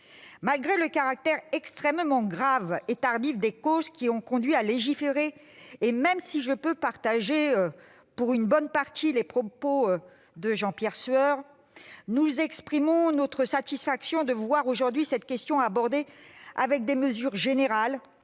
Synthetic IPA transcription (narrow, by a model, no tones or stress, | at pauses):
malɡʁeləkaʁak̚t̪ɛʁɛkst̪χɛmmɑ̃ɡʁavet̪aʁd̪ifd̪ekozkʲiɔ̃kɔ̃d̪ɥialeʒifeʁeː | mɛmsiʒəpøpaʁt̪aʒeø | puʁynbɔnpaʁt̪ʰilepχɔpo | d̪əʒɑ̃pjɛʁsœʁ | nuzɛkspχimɔ̃not̪χəsat̪isfaksjɔ̃d̪əvwaʁoʒuʁd̪ɥisɛt̪kʲɛst̪jɔ̃abɔʁd̪ea̰vɛk̚d̪eməzyʁʒeneʁal